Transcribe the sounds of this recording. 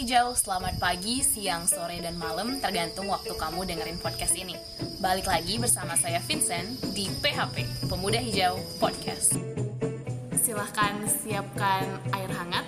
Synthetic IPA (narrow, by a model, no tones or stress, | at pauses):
id͡ʒawsəlamat̪̚paɡisiaŋsoɾedanmaləmt̪ərɡant̪ʊŋwak̚t̪ukamudəŋəɾɪnpɔd̚kast̪ini | balɪklaɡibərsamasajafinsɛndipeɦapepəmudaɦid͡ʒaupɔd̚kʰa̰s | silahkansiap̚kanaɪrɦaŋat̪̚